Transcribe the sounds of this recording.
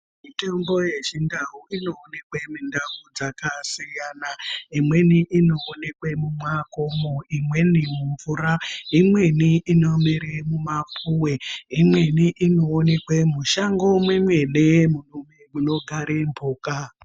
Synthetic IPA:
mitembo̞jeʒindaɦuʔino̞ːne̞kwemindavud͡zakasijanaimwe̞niʔino̞ːnekwemumwakomoimwe̞nimuɱvuɾaimwe̞niinomiɾemumapʰuweimweniʔino̞ːnekwemuʃaŋɡo̞mwemwe̞nemurumemuno̞ɡʱaɾembʱoːka

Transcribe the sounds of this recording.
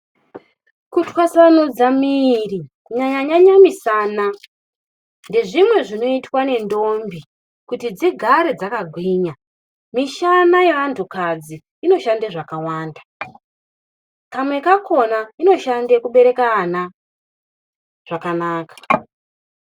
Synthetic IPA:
kutwasanud͡zamiri | ɲaɲaɲaɲamisaːna | nde̞ʐimwe̞ʐino̞itwane̞ndo̞mbi | kutid͡ziɡʱaɾed͡zakaɡʱwiːɲa | miʃanaje̞ʋantʰukad͡zi | ino̞ʃandeʐakawaːnda | kamwe̞kako̞naino̞ʃandekuɓe̞ɾe̞kaːna | ʐ̥akanaːkḁ

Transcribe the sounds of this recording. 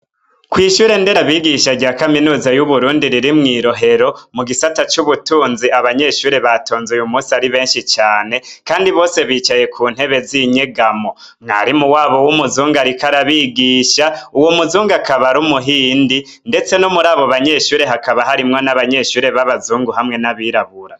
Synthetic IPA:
kwiːʃuːɾe̞nde̞ɾaβiːɡiʃaɟaːkaminuːzajuβuɾuːndiɾiɾimŋiːɾo̞ɦe̞ɾo̞muɡisatat͡ʃuβutuːnziaβaɲe̞ʃuːɾe̞βato̞ːnzujumuːsiaɾiβe̞ːnʃit͡ʃaːne̞kaːndiβo̞ːse̞βiːt͡ʃaje̞kʰuːn̥he̞βe̞ziɲeɡamo̞ | mŋa̰ɾimuwaːβo̞wumuzuːŋɡaɾikaɾaβiːɡiːʃauwomuzuːŋɡakaβaɾumuɦiːndi | nde̞t͡se̞nomuɾaːβo̞βaɲe̞ʃuːɾe̞ɦakaβaɦaɾimŋo̞naβaɲe̞ʃuːɾe̞βaβazuːŋɡuɦamŋe̞naβiɾaβuɾa

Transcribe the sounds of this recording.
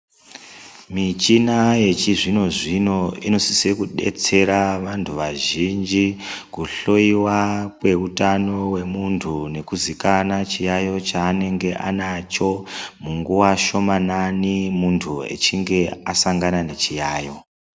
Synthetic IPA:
mit͡ʃinaje̞t͡ʃiʐino̞ʐino̞ino̞si̥sekuɗe̞̰t͡se̞ɾaʋantʰuʋaʒind͡ʒikuɬoiwakwe̞utanowe̞muntʰune̞kuzikanat͡ʃijajo̞t͡ʃaːne̞ŋɡe̞ʔanat͡ʃo̞muŋɡuwaʃo̞mananimuntʰue̞̰t͡ʃiŋɡe̞asaŋɡanane̞t͡ʃijaːjo̞

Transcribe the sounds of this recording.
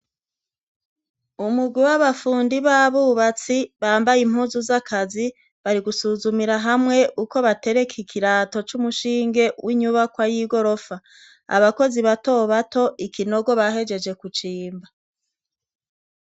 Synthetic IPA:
umuɡwiwaβafuːndiβaβuːβat͡siβaːmbajim̥huːzuzakʰazi | βaɾiɡusuːzumiɾaɦamŋe̞ʔuko̞βate̞ɾe̞kʰikʰiɾaːto̞t͡ʃumuʃiːŋɡe̞wʔiɲuβakwajiːɡo̞ɾo̞fa | a̰βako̞ziβato̞βatʰo̞ʔikino̞ɡo̞βaɦe̞d͡ʒe̞d͡ʒe̞kut͡ʃiːmba

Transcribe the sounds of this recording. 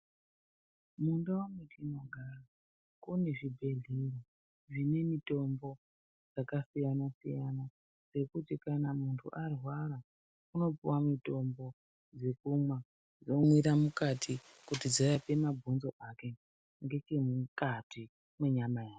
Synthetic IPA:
mundawamikinoɡʱara | kune̞ʐibʱe̞ɮiro | ʐine̞mito̞mbo̞ | d͡zakasijanasijana | se̞kutikanamuntʰṵʔarwaɾa | uno̞puwamito̞mbo̞ | d͡ze̞kumwa | d͡zo̞mwiɾamukatʰi | kutid͡zojape̞mabʱunzo̞ʔake̞ | ŋɡe̞t͡ʃemukati | mweɲamajaːke

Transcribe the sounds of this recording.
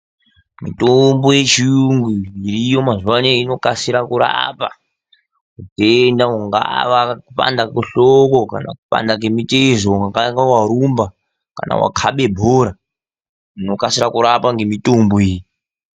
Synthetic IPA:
mḭtombojet͡ʃiuŋɡiiɾiːjomazuwaneino̞kasiɾakuɾa̰pa̰ | udendauŋɡa̰ʋakupa̰ndakuɬokokana̰kupa̰ndak̬emitezouŋɡɡaŋɡawaɾumba | ka̰na̰wa̰kʰaɓe̞bʱoːɾa | uno̞kasiɾakuɾapaŋɡe̞mitomboeːji

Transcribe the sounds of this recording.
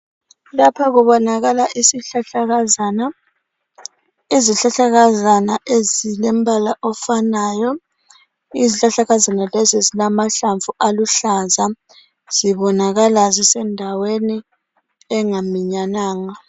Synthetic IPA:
lapʰaɣuβɔnaɣalaʔisiɬaɬaɣana | iziɬaɬaɣazanaʔezilɛm̩bʱalaʔɔfanaːjɔ | iziɬaɬaɣazanalɛzizilamaɬaɱvuʔaluɬaza | z̥iβɔnaɣalazisɛndʱaweni | ɛŋamiɲanaːŋa

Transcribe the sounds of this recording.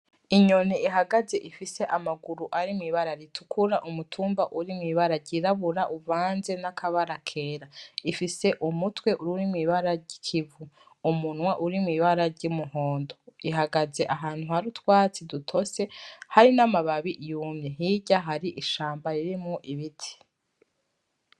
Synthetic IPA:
iɲoniiɦaɡaze̞ʔifise̞ʔamaɡuɾuʔaɾimŋiːβaɾaɾitʰu̥kʰuɾaʔumutʰuːmbaʔuɾimŋiːβaɾaɟiɾaβuɾaʔuvaːnze̞nakʰaβaɾakʰe̞ːɾaifise̞ʔumutwe̞ʔuɾuɾimwiːβaɾaɟicʰivu | umunwaʔuɾimŋiːβaɾaɾɟiumuhoːndoiɦaɡaze̞ʔaɦaːn̥huhaɾutwaːt͡sidutʰo̞se̞haɾinamaβaβiʔjuːmɲe̞ɦiɟaɦaɾiʔiʃaːmbaɾiɾimŋuʔiβitʰi̥

